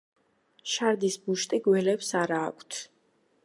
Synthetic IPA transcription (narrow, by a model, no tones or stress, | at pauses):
ʃaɾd̪isbuʃt̪ʼiɡwɛlɛpsaɾa̰ːkʷʰt̪ʰ